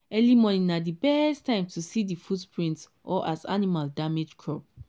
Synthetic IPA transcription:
ɛlimɔnĩnadibɛɛstãɪ̃mtʰusidifudpʰɹĩnts | ʔɔʔaza̰nimaldamed͡ʒkʰɹɔp̚

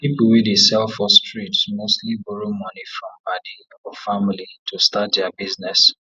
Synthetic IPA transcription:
pipuwidesɛlfɔstɹitsmostlibuɾomɔnifɹɔ̃mbadi | ɔfamlitʰustatdɛabiznɛs

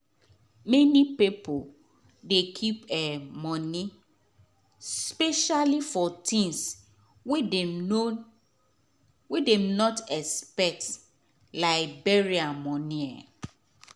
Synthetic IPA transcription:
mɛnipipʰo | dekʰipemɔ̃ni | speʃalifɔtʰĩns | wedemnɔtɛspɛk̚t | laɪbeɹiamɔ̃nia̰

